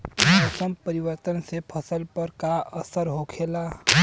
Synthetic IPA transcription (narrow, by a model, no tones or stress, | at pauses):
əsəmpəɾiwəɾt̪ənsepʰəsəlpəɾkaəsəɾɦokʰela